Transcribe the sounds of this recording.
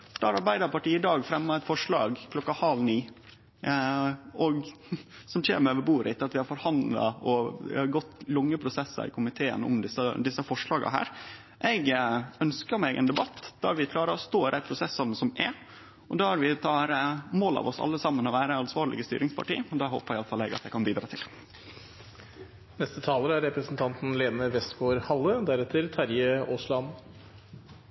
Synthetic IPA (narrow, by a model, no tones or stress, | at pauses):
d̪̥ɑːɾɑɾbæɪd̪əɾpɑʈiːɪd̪ɑːɡfɾɛmːɑɛt̪fɔʂɭɑ̰ːɡkʰlɔkːɑhɑlniː | ʔɔɡ | sɔmc͡çḛːməɾøːʋəɾbuːɾɪt̪ɑt̪ʋɪhɑɾfɔɾhɑnd̪lɑ̰ɔɪɑɾɡɔt̪ːlʊŋːəpʰɾʊsɛsːɑ̰ɪ̰kʰʊmɪt̪ʰeːə̰nɔ̰md̪ɪsəd̪ɪsːəfɔʂɭɑːɡɑ̰ɦæ̰ːɾ | ʔɛɡœnskəɾmɛɡʔɛ̰ːnd̪ɛbɑt̪ːd̪̥ɑæɾʋɪkʰlɑːɾəɔst̪oːɪd̪æɪpʰɾʊsɛsːɑnəsɔmɛ | ʔɔd̪ɑːɑɾʋɪt̪ʰɑːɾəmoːlɑ̰ʋɔsɑ̰lːəsɑmːənɔʋæːɾəɑnsʋɑːɾɭɪ̰ɡəst̪yːɾɪŋspʰɑ̰ʈḭːɔd̪ɑːɦo̰ːpəɾɪɑləfɑlɛɡɑt̪jæɪkʰɑnbiːd̪ɾɑːt̪ʰɪl | nɛst̪ət̪ʰɑːləɾəæɾɾɛpɾəsn̩t̪ʰɑnt̪n̩leːnəʋɛst̪ɡoːɾhɑlːəd̪æɾɛt̪ʰːəɾt̪ʰɑɾjəoːslɑn